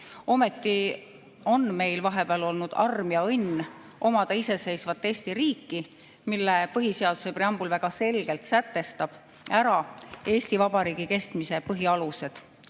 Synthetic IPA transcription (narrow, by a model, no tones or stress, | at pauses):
o̞me̞t̪ːi | o̞nme̞jlvɑɦe̞b̥eɑlo̞lnud̪̥ɑ̰rmjɑɤjnː | ʔo̞mɑd̪̥ɑise̞se̞jsvɑt̪ːˑe̞ːst̪iɾiːkːi | milːepɤɦise̞ɑd̪̥use̞preɑmb̥ulvæɡ̥ɑse̞lɡ̥e̞lt̪sæt̪ːe̞st̪ɑb̥ | æɾɑe̞ːsʲt̪ivɑb̥ɑɾiːɡ̥ike̞st̪mise̞pɤɦiɑluse̞d̪̥